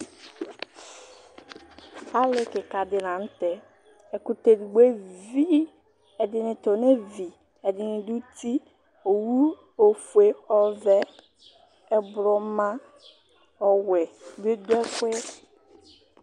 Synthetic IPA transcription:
a˦le˨ke˨ka˨dɪ˨nã˨n̩˦te˨ | ɛ˨ku˨te˨dɡ͡be˦vi˦ | ɛ˨dɪ˨nɪ˨to˨ne˦vi˨ | ɛ˨dɪ˨nɪ˨du˦ti˦ | o˨wu˦ | o˨fu˨e˦ɔ˨vɛ˦ | ɛ˨bʊ˨ɾɔ˨˦mã˦ | ɔ˨we˨be˦du˦ɛ˦kʷe˦

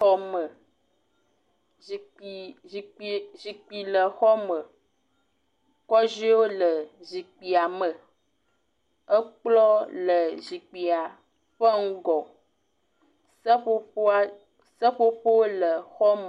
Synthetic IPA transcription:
ɔ˦mə˨ | zi˨k͡pi˨lə˨xɔ˦mə˨ | kɔ˦zi˦wo˦lə˨zi˨k͡pi˨a˨mə˨ | ə˦k͡plɔ˦lə˨zi˨k͡pi˨a˨ | ɸə˦ŋ̩˦ɡɔ˨˦ | ɸo˦ | sə˦ɸo˦ɸo˦wo˦lə˨xɔ˦m˨

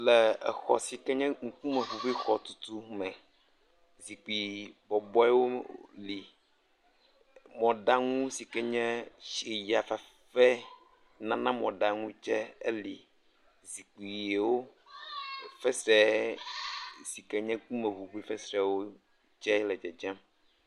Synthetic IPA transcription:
lɛ˨ɛ˨xɔ̰˨si˨kɛ˦ɲɛ̃˦ŋ̩˦ku˦mɛ̃˨vu˨ɸi˦xɔ˨t̪u˦t̪u˦mɛ̃˨ | zi˨k͡pi˨bɔ˨bɔ˦ɛ˦wo˦li˨ | mɔ̃˨ɖa˦ŋũ˦si˨kɛ˦ɲɛ̃˦ʃe˨ja˨fa˨ | fɛ˦ | nã˦nã˦mɔ̃˨ɖa˨ŋũ˦d͡ʒɛ˦ḛ˦li˨ | zi˨k͡pi˨je˨wo˦ | fɛ˦sɛ˦ | si˨kɛ˦ɲɛ̃˦ku˦mɛ̃˨vu˨ɸi˦fɛ˦sɾɛ˨wo˦ | d͡ʒɛ˦lɛ˨d͡ʒɛ˨d͡ʒɛ˦m

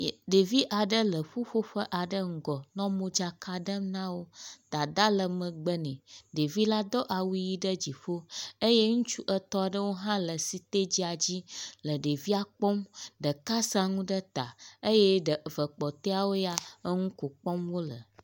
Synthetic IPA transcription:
ɖe˨vi˦ʔa˨ɖə˦lə˨ɸo˦ɸo˦ɸə˦ʔa˨ɖə˦ŋ̩˨ɡɔ˨nɔ̃˦mõ˦d͡ʒa˨kʰa˨ɖə˦mnã˦wo˦d̪̥a˨d̪a˦lə˨mə̃˨ɡ͡bə˦nɛ̃˨ɖe˨vi˦la˦d̪ɔ˦ʔa˨wu˦ji˦ɖə˦d͡ʑi˨ɸo˦ə˦je˦ŋũ˦t͡ʃu˦ʔə˦t̪ɔ˦a˨ɖə˦wo˦ɦã˦lə˨si˨t̪e˦d͡ʑi˦a˨d͡ʑi˦lə˨ɖe˨vi˦a˨k͡pɔ˦mɖə˨ka˦sa˨ŋũ˦ɖə˦t̪a˨ə˦jɛ˦ɖə˨və˨k͡pɔ˨t̪e˦a˨wo˦ja˦ə˦ŋũ˦ko˨k͡pɔ˦mwo˦lə̰˨

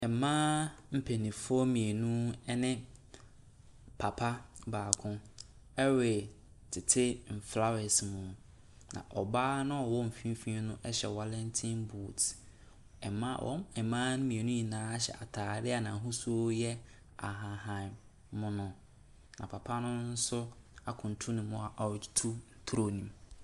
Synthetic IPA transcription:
ɛ˨mãː˦m̩˨pʰe˨nĩ˨fʊ˦ɔ˦mĩ˨e˨nũ˦ɛ˦nɪ̃˦ | pʰa˨pʰa˦baː˨kʰʊ̃˦ | ɛ˦we˨ | tʰɪ˨tʰɪ˦m̩˨fla˦wɛ˨smũ˨ | nã̰˨ʔɔ˨baː˦nã˦ɔ˨wɔ˦m̩˨fĩ˦m˦fĩ˦nʊ̃˦ʔɛ˦ɕɛ̰˨wa˦lɛ̃˦ntʰĩ˦nbu˦˨t | ɛ˨ma˦wʔɔ̰̃˦mɛ˨mãː˦nʊ̃˦mĩ˨e˨nʊ̃˦ji˨nãː˨˦a˦ɕɛ̰˨a˨tʰaː˨dɪ˦a˨nã˨ɦʊ̃˦su˦o˦jɛ˦ | a˨ɦã˨ɦã˨mː | ʊ̃˦nʊ̃˨ | nã̰˨pʰa˨pʰa˦nʊ̃˦n̩˦sʊ˦a˨kʰʊ̃˨n̩˨tʰu˦nĩ˨mʊ̃˨a˨ʔḁ˨tʰu˦n̩˨tʰɾo˦nĩ˨m

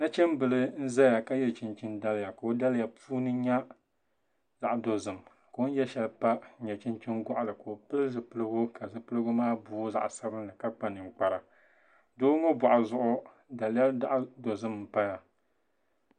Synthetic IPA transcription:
na˦t͡ʃɛ˦mbɨ˨lɨ˦n̩˦za˦ja˨ka˦jɛ˦t͡ʃi˨nt͡ʃɪ˦nda˦lja˨ka˨o˦da˦lja˨pʰuː˦nɨ˦ɲa˦ | za˦˨ʔdo˨zɨ˨m | ko˨˦n̩˦jɛ˦ʃɛ˨lpa˦ɲɛ˨t͡ʃɪ˦nt͡ʃi˦nɡɔ˦ʔa˨lɨ˨ko˨o˨pɨ˦lzɨ˨pɨ˦lɨ˦ɡʊ˦ka˨zɨ˨pɨ˦lɨ˦ɡʊ˦maː˦bʊː˦za̰˨ʔsa˦bɨ˦nɨ˨ka˦k͡pa˨nɨ˨ŋ̩˨k͡pa˨ɾa˨ | doː˦ŋo˦ba˨ʔa˨zʊ˦ʔʊ˦ | da˨ljɛ˦la˦ʔdo˨zɨ˦m̩ː˦˨pa˦ja˨

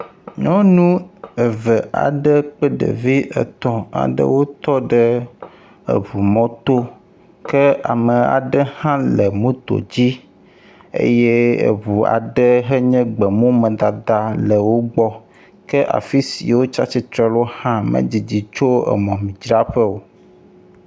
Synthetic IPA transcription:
ɲɔ̃˦nũ˦ə˨və˨a̰˨ɖə˦k͡pə˦ɖə̰˨vi˦ʔə̰˨t̪ɔ̃˨a̰˨ɖə̰˦wo˦t̪ɔ˦ɖə˦ | ə̰˨βu˨mɔ̃˦t̪o˦ | kə˦a̰˨mə˨a̰˨ɖə˦hã˦lə˨mũ˦t̪o̰˨d͡ʑi˦ | ḛ˦je˦ḛ˨βu˨a̰˨ɖə˦ɦə˦ɲɛ̃˦ɡ͡bə˨mũ˦mə̃˨d̪a˨d̪a˨lə˨wo˦ɡ͡bɔ˦ | kə˦ʔa̰˨fi˦sḭ˨wo˦t͡ʃa˦t͡ɕi˦t̪ɾɛ˦lo˦hã˦mə̰̃˦d͡ʑi˨d͡ʑi˨t͡ʃo˦ə̰˨mɔ̃˨mĩ˨d͡ʒɾa˦ɸə˦wo˨

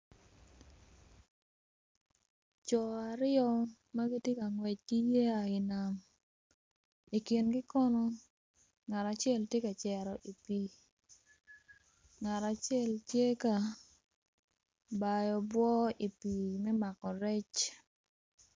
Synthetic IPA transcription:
t͡ʃɔ˨a˨ɾɪ˦ɔ˦ | ma˦ɡi˦tje˦ka˨ŋwɛ˨t͡ʃ̚ɡi˦je˦a˨ɪ˨na˨m | i˨ki˨nɡɪ˦kɔ˦nɔ˦ | ŋa˨ɾa˨t͡ʃɪɛ˦ltje˦ka˨t͡ʃɛ˨ɾɔ˨ʔi˨pi˨ | ŋa˨ɾa˨t͡ʃjɛ˦˨ltje˦ka˨ | ba˨jɔ˨bwɔ˦i˨pi˨mɛ˦ma˨kɔ˨ɾɛ˦t͡ʃ

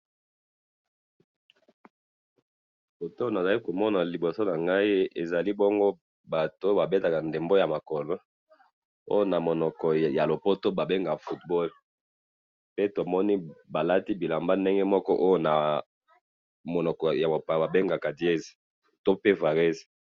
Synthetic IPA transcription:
bo˨to˦na˨za˨li˦ko˨mɔ˦na˨li˨bo˨so˦na˨ŋɡa˦i˦ḛ˨za˨li˦bɔ˦ŋɡo˦ | ba˨to˦ba˨be˦ta˨ka˨nde˨mbo˦ja˨ma˨kɔ˨lo˦ | o̰˦jo˦na˨mo˨nɔ˨kɔ˨ja˨lo˨po˦to˦ba˨be˦ŋɡa˨fu˦tbɔ˦l | pe˦to˨mɔ˦ni˦ba˨la˦ti˦bi˨la˨mba˦nde˦ŋɡe˦mɔ˦kɔ˦ʔo˦jo˦na˨ | mo˨nɔ˨kɔ˨ja˨mo˨pa˨ba˨be˦ŋɡa˨ka˨di˨e˦z | to˦pe˦va˨ʁe˦z

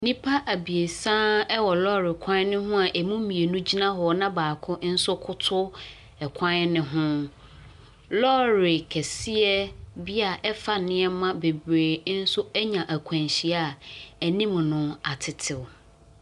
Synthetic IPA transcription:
nĩ˦pʰa˦ʔæ˨bi˨e˨sã˦ɛ˦wɔ˨lɔ˦ɾɪ˨kʰã˦n˦nʊ̃˦ɦʊ̃˦a˨ʔɛ˨mũ˦mĩ˨e˨nũ˦d͡ʑi˦nã˦ɦɔ˨ɔ˨˦nã˦baː˨kʰʊ̃˦ʔn̩˦sʊ˦kʰʊ˦tʰʊ˦ | ɛ˨kʷʰã˦n˦nɪ̃˦ɦʊ̃˦ | lɔ˦ɾɪ˨kʰɛ˨si˦ɛ˦bi˦a˨ʔɛ˦fa˨nɪ̃˦ɛ˦mã˦be˨bɾeː˨˦n̩˦sʊ˦ɛ˦ɲã˨ʔæ˨kʷʰã˨nɕi˨a˨æ˨nĩ˦m˨nʊ̃˦a˨tʰɪ˨tʰɪ˨w

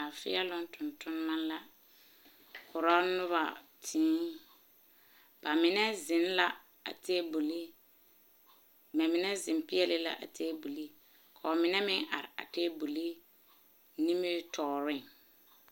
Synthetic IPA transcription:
a˨fɪ̰˦ɛ˦lʊ˦ntʰʊ˨ntʊ˦n˦ma˦nla˦ | kʰʊ˨ɾɔ˦nʊ˦βa̰˨ | tʰĩː˦ | b̥a˨mɪ˨nɛ˦zɪ˨nla˦ | a̰˨te˦bu˨li˦ | ba˨mɪ˨nɛ˦zɪ˨mpɪ˦ɛ˦lɪ˦la̰˦ʔa̰˨tʰeː˦bu˨li˦ | kʰa˨mɪ˨nɛ˦mɪ˦ŋʔa˨ɾɪ˨a̰˨teː˦bu˨li˦ | ni˦mɪ˦tʰɔː˨ɾɪ˦ŋ

